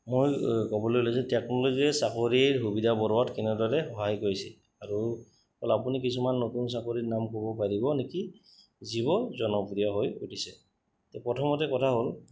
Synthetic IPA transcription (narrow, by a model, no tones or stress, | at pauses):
mojkɔbɔlojulosɛtɛknɔloziɛsakoɹiɹɦubidabɔɹɔwatkɛnɛdɔɹɛɦɔɦajkoɹisɛ | aɹu | ɔlapunikisumanːotuns̬akoɹinamkobɔpaɹibɔneki | zibɔzɔnɔpuɹijaɦojṵtʰisɛ | tɛpɹɔtʰɔmɔtɛkɔtʰaɦol